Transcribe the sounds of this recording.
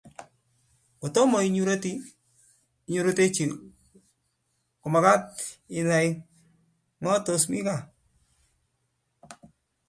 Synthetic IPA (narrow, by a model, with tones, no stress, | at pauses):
ko˨tɔ˦mo˨jɲu˦ɾo˦ti˦ | ɲu˨ɾo˦te˦t͡ʃi˨n | kʊ˨ma˨ka˦t̚ɪ˨na˨j | ŋɔ˦tosmi˦ka˨